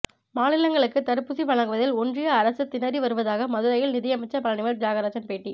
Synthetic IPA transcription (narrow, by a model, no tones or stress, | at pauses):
maːnɪlɐŋɡɐɭɯkːɯt̪ɐɾɯpːɯsiʋɐɭɐŋɡɯʋɐðɪlɔndrɪjɐːɾɐsɯt̪ːɪnɐɾiʋɐɾɯʋɐðaːɣɐmɐðɯɾɐjɪlnɪðɐjɐmɐɪt͡ʃːɐpɐlɐnɪʋɐɾd͡ʒaːɣɐɾaːd͡ʒɐnpeːʈːi